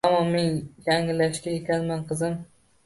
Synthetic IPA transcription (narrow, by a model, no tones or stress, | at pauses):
amɒnmɪnjaŋɪlːaʃkʲajekʲanmanqʰɨzɪm